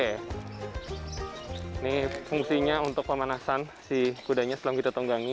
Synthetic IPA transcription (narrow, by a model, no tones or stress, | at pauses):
nifuŋsiɲaunt̪ʊk̚pəmanasansikudaɲaslamŋkit̪at̪ɔŋɡaŋi